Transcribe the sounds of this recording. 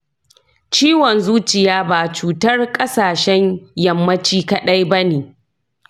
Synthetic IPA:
t͡ʃiː˦wɔ˨nzuː˦t͡ʃɪ˨jaː˦baː˨t͡ʃuː˨tɐ˦rkʼɐ˦saː˨ʃɛ˦ɲjɐ˨mːɐ˦t͡ʃiː˦kɐ˨ɗɐ˦jbɐ˦neː˨

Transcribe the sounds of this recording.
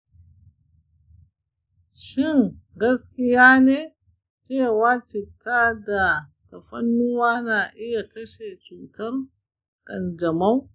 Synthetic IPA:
ʃɪ˦˨ŋɡɐ˦skʲɪ˦jaː˦neː˦ | t͡ʃeː˦˨waː˦t͡ʃɪ˨tʰːaː˦da˨tɐ˨ɸɐ̰˦nːu˦waː˦na˨ʔɪ˦ja˨kɐ˦ʃe˨t͡ʃuː˨tɐ˦r | kʼɐ̰˨nd͡ʒɐ˨ma˦w

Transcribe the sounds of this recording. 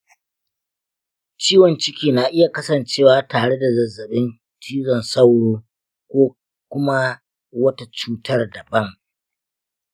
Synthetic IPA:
t͡ʃiː˦wɔ˨nt͡ʃɪ˦kʲiː˨naː˨ʔɪ˦ja˨kɐ˦sɐ˨nt͡ʃeː˦˨waː˨taː˨ɽe˦da˨zɐ˨zːɐ˨ɓɪ˦n | tʰiː˦zɔ˨nsɐ˦wɽoː˦ | kʷoː˦ | kʷʊ˦ma˦ | wɐ˦ta˨t͡ʃuː˦tʰɐ˦rdɐ˨bɐ˦ŋ

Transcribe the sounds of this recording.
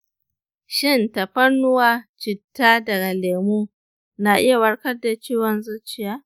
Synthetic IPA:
ʃɪ˦˨ntɐ˨ɸɐ˦rnʊ˦waː˦t͡ʃɪ˨tːaː˦dɐ˨ɡa˨leː˨muː˦ | na˨ʔɪ˦ja˨wɐ˦ɽkɐ˦rda˨t͡ʃiː˦wɐ˨nzɐ˦t͡ʃɪ˦jaː˦

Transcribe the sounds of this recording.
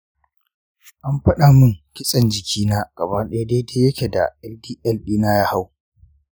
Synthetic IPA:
ʔa˦mɸɐ˦ɗa˨mʊ˦˨ŋkʲɪ˦sʼɐ˨nd͡ʒɪ˨kʲʰiː˦naː˦ɡ̥ɐ˨baː˦ɗɛ˦a˦de˦de˦jɐ˦kʲe˨da̰˨ʔɛ˦ldiː˦ʔɛ˦lɗiː˦naː˦jaː˦ha˦w

